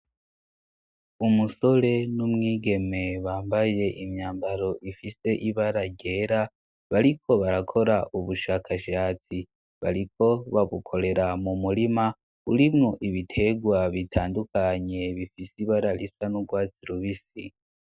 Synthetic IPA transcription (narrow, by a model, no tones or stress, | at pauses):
umuso̞ɾe̞numŋiːɡe̞me̞βaːmbaje̞ʔimɲaːmbaɾo̞ʔifise̞ʔiβaɾaɟe̞ːɾa | βaɾikʰo̞βaɾakʰo̞ɾaʔuβuʃakʰaʃaːt͡si | βa̰ɾikʰo̞βaβukʰo̞ɾe̞ɾamumulima | uɾimŋo̞ʔiβitʰe̞ɡwaβitʰaːndukaɲe̞βifisiβaɾalisanuɡwaːt͡siɾuβisḭ